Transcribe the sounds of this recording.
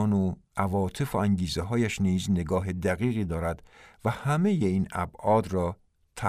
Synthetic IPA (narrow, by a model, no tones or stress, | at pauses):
no | ʔævɒːt̪ʰe̞foæŋɟiːzeɦɒːjæʃniːzne̞ɡɒːɦe̞d̪æɣiːɣiːd̪ɒːɾæd̪̥væhæme̞jeiːnæ̰bʔɒːd̪rɒː | t̪ʰæ